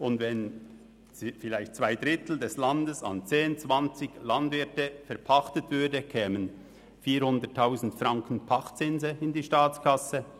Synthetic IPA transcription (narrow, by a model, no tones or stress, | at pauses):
ʊndvɛn | fɪlaɪçtt͡sv̥aɪdɾɪtl̩dɛslɑndəsɑ̰nt͡seːnt͡svɑnt͡sɪçlɑndvɪɐtəfɛɐpʰɑχtətv̥ʏɐdəkʰɛːmən | fiːɾhʊndətʰːaʊzn̩tfɾɑŋkʰən̩pʰɑχt͡sɪnzəɪndiːʃtaːt͡skʰɑsə